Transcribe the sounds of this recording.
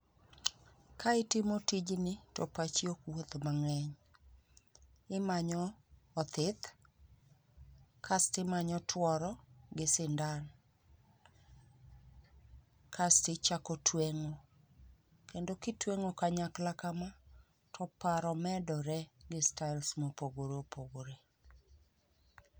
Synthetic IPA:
kʰaɪtɪmotid͡ʒnɪtɔ̰pat͡ʃiokwot̪maŋɛɲ | ɪmaɲɔː | t̪ɪt̪ | kʰastɪmaɲɔtʰwɔɾɔɡɪsɪndan | kʰastɪt͡ʃakɔtʰweŋo | kendokɪtweŋokaɲaklakamɔ | tʰɔpaɾɔmɛdɔɾɛɡɪstaɪlsmopoɡoɾeopoɡoɾe

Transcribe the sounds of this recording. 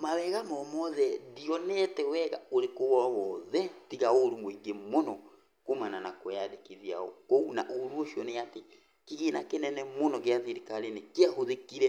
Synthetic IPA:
mawɛɣamɔmɔðɛdiɔnɛtɛwɛɣaoɾekoβɔwɔðɛtiɣaoɾumoiɡemonɔ | komananakojaðekiðia̰ɔ̰kouna̰ʔoɾuoʃiɔneate | kiɣenakenɛnɛmonɔɣeaθeɾikaɾenekeahoðekiɾɛ

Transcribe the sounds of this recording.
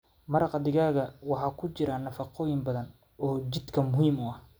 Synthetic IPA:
mɐɾɑqd̪ɪɣaːɣɐwɑħɑːkʰʊt͡ʃɪɾanɐfɑqʰɔːjɪmbɐðɐn | ɔːt͡ʃɪd̪kʰɐmʊhiːmʊɐh

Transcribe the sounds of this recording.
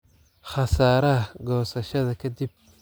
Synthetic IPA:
χɑsaːɾɐɐɡɔːsɐʃɐðɐkʰɐd̪ib̥̚

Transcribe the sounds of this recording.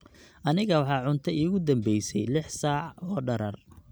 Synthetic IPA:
ʔɐnɪɣɐwɑħɑːʕʊnt̪ʰɐʔiːɣʊd̪ɐmbɛjsɛjlɪħsɑːʕɑɔːɖɐɾɐr

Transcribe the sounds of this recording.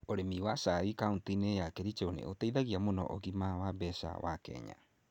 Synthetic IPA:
oɾemiwasaikauntinejakeɾit͡ʃewnḛʔotejðaɣiamono̰ʔoɣimawabɛsa̰wa̰kḛɲa̰

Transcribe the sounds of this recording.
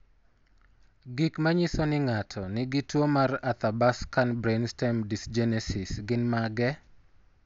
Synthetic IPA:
ɡikmaɲisonɪŋatʰɔnɪɡɪtwomarat̪abaskanbɾenstɛmdisd͡ʒɛnɛsɪsɡɪnmaɡɛ

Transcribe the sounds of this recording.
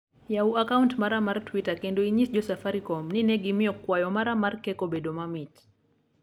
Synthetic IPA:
jauakauntmaɾamaɾtwitakɛndɔiɲisd͡ʒɔsafaɾikɔmninɛɡimiɔkːwajɔmaɾamaɾkɛkɔɓɛɗɔmamit

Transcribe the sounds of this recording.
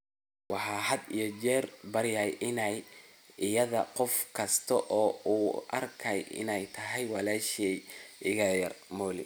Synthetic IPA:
wɑħɑːhɐd̪ijɔd͡ʒɛːrbɐɾjɐjʔɪnɛj | ɪjɐðɐqɔfkʰɐst̪ʰɐʔɔːuːʔɐ̰rkʰɐjɪ̰nɛjt̪ʰɐɦɛjwɑlaːʃɛjʔɪɣɐjɐrmɔːlɪ̰

